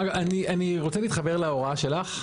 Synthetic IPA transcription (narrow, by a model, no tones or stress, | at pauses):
anianiʁot͡seliːt̪χabeʁlao̞ʁaʃe̞laχ